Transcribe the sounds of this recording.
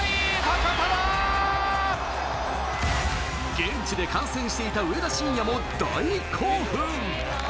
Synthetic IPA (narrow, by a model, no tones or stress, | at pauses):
apapaja | ɡ̥ẽ̞ɲt͡ɕid̪e̞kãɰ̃sẽɰ̃ɕi̥t̪e̞it̪aɯ̟ed̪aɕĩɲ̃jamod̪a̰ikʰoːɸɯŋ